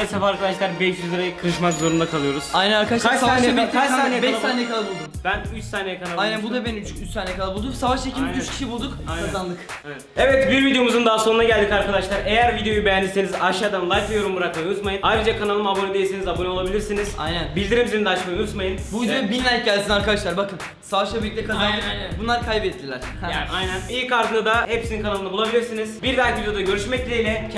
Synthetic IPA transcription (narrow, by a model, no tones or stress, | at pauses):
safaaɾkad̪aʃlˠaɾbɛʃjyzˠaɾajakʰɯɾɯʃmakzo̞ɾund̪akʰalˠɯjo̞ɾuz̥ajnænaɾkad̪asasaaabiaaːnbɛʃˠat̪ʰaːnejɛkʰalˠabulˠd̪umbænyt͡ʃsaːnejɛkʰanalˠajnnænbud̪abent͡ʃyt͡ʃsaːnejɛkʰalˠabulˠd̪uksavaʃt͡ʃecʰilʲmizyt͡ʃcʰi̥ʃibulˠd̪ukajnazand̪ɯk | evɛt̪evɛt̪biɾvid̪ejo̞muzund̪aɦːso̞nunaɟælʲd̪ikaɾkad̪aʃlˠaɾe̞jæɾvid̪ejo̞jubejænʲisenizaʃad̪anlˠajkvʲejo̞ɾumbuɾakmaut̪majɯnajɾɯd͡ʒakʰanalˠɯmabonid̪e̞jisenizabonuolˠabilʲiɾsiniz̥a̰jnænbilʲd̪iɾimziɾid̪ɛat͡ʃmajɯnut̪majɯnbuizebinlːʲæɟælʲsinaɾkad̪aʃlˠaɾbakɯm | savaʃabilʲic̪ʲlʲɛkʰazabunlˠaɾkʰajbɛt̪ʰːlʰːilʲæɾ̥ | ajnænilʲkaɾt̪ʰɯnad̪ahepsininkʰanalˠɯnabulˠabilʲiɾsiniz̥biɾd̪aɾˠkvid̪ejo̞d̪aɟø̞ɾyʃmɛclʲejlʲɛ